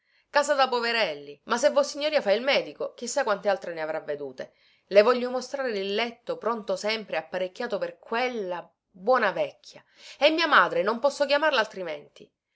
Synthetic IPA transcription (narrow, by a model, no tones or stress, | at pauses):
kaːzad̪apoveɾɛlːimas̬ːevːosiɲːoɾiːafailmɛːd̪ikok̟isːakwant̪ealt̪ɾeneavɾavːed̪uːt̪e | levɔʎːomost̪ɾaːɾed̪ilːɛt̪ːopɾont̪osɛmpɾeapːaɾekʲːaːt̪operkwelːa | bwɔːnavɛkʰʲːja | emːiːamaːd̪ɾenompɔsːokjamarlalt̪ɾimɛnt̪i